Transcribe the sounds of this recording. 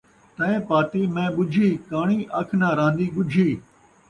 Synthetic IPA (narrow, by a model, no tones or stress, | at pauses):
t̪ɐ̃ẽːpaːt̪iːmẽːɓʊd͡ʒʱiːkaːɳiːʔɐkʰnãːɾãːnd̪iːɠʊd͡ʒʱiː